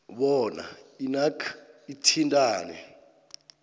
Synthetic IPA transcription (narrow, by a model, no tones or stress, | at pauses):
ɓɔna̰inakʰitʰintʼaːnɛ